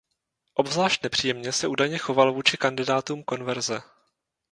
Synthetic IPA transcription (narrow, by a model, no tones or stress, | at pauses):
ʔo̞bvzlaːʃt̪nɛpr̝̥iːjɛmɲɛsɛʔuːdajɲɛxo̞valvuːt͡ʃɪkandɪdaːt̪uːmko̞nvɛɾzɛ